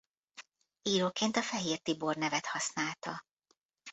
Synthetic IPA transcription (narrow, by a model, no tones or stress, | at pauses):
iːɾoːkeːnt̪ɒfɛɦiːrt̪ibornɛvɛt̪hɒsnaːlt̪ɒ